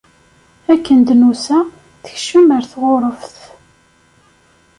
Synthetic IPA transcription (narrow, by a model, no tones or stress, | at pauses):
ækːənd̪nusæ | θə̥çʃəməɾθʁoɾˤəfθ